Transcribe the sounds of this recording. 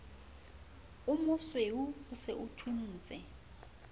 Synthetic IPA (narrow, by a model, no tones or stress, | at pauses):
umʊsweuːseʔutʰuniːt͡sʼɛ